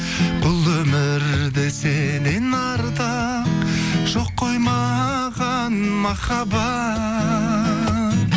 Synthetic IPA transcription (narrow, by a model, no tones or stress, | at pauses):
bʊlˠɵmɪɾd̪eselenɑɾd̪ɑ | qʒ̥oqʰːo̞jmɑ | ʁɑ | nmɑχɑbɑ